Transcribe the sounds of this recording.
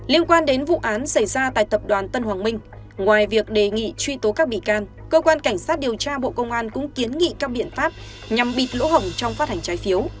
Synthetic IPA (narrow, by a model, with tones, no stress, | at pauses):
li˧ənkwaː˧nɗe˨˦nvṵ˧˨ʔaː˨˦nsa˧˩jzaː˧t̪a̰ː˧˨jt̪ə˨˩p̚ɗwaː˨˩nt̪ə˧nhɦwaː˨˩nmï˧ŋ̟ | ŋwaː˨˩jvi˨˩ək̚ɗe˨˩ŋḭ˧˨t͡ɕwi˧t̪o˨˦kaː˦˥k̚ɓḭ˧˨kaː˧n | kəː˧kwaː˧nka˧˩jŋ̟saː˦˥t̚ɗi˨˩əwt͡ɕaː˧ɓo̰˧˨kə˧wŋ͡mʔaː˧nkʊ̰˧˥ŋ͡mki˨˦ənŋḭ˧˨kaː˦˥k̚ɓḭ˧˨ənfaː˦˥p̚ | ɲa˨˩mɓi˨˩t̚lo̰˧˥hə˨˧˩wŋ͡mt͡ɕɔ˧wŋ͡mfaː˦˥t̚ha˨˩ŋ̟t͡ɕaː˨˦jfi˨˦əw